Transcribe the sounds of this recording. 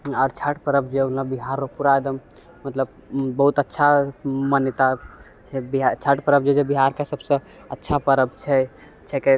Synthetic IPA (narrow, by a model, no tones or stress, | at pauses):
ɔːɾt͡ʃʰəʈpəɾəb̚d͡ʒeunlabiɦaɾːopuɾaed̪əm | mət̪ləb | bəɦut̪ətːʃʰamənjət̪a | t͡ʃʰɛbiɦt͡ʃʰəʈpəɾəb̚d͡ʒed͡ʒebiɦaɾkasəbsə̃ | ətːʃʰapəɾəb̚t͡ʃʰɛ | t͡ʃʰɛke